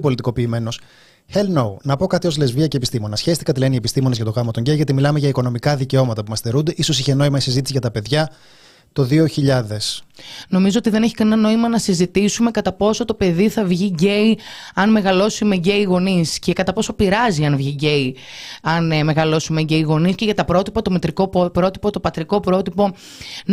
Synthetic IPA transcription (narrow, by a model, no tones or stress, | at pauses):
po̞lit̪iko̞piːme̞no̞s | helnownɐpo̞kɐt̪io̞zle̞zviɐceepist̪imo̞nɐsçe̞st̪i̥kɐt̪ilenie̞pist̪imo̞nezʝɐt̪o̞ɣɐmɐt̪oɲɟejʝɐt̪imilɐme̞ʝɐiko̞no̞mikɐðice̞o̞mɐt̪ɐpumɐsθe̞ɾund̪e̞ʔiso̞siçe̞no̞imɐisizit̪isiʝɐt̪ɐpe̞ðʝɐ | t̪o̞ðio̞çiʎɐðe̞sno̞mizo̞ot̪iðe̞neçi̥kɐnnɐno̞imɐnɐsizit̪isume̞kɐt̪ɐpo̞so̞t̪o̞pe̞ðiθɐvʝiɟe̞i | ɐnme̞ɣɐlo̞simeɟe̞iɣo̞nisce̞kɐt̪ɐpo̞so̞piɾɐziɐnvʝiɟe̞i | ɐnme̞ɣɐlo̞sime̞ɟe̞iɣo̞nisce̞ʝɐt̪ɐpɾo̞t̪ipɐt̪o̞met̪ɾiko̞pɾo̞t̪ipot̪opɐt̪ɾiko̞pɾo̞t̪ipo̞